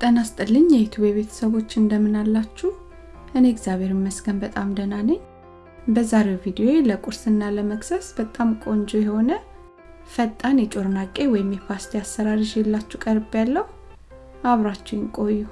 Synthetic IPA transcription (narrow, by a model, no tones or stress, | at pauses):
t̪ʼənast̪ʼɨlːɨɲjɛjɛt̪ʰuβeβe̞t̪ʰə̥səβo̞t͡ʃːɨnd̪əmːɨnalːat͡ʃːuh | ʔɨneɡzjaβe̞ɾɨməsɡənbət̪ʼamd̪ənanəɲː | bəzaɾewvid̪io̞eləkʼuɾsɨnːaləməksəsbət̪ʼamkʼo̞nd͡ʒojɛho̞nə | fət̪ʼːanjɛt͡ʃʼo̞ɾnakʼːe̞wɔjɪmjɛpʰast̪ʰeasːəɾaɾiʒjɛlːat͡ʃːukʼəɾbjalːəhu | ʔaβɾat͡ʃːɛjɪnkʼo̞jːu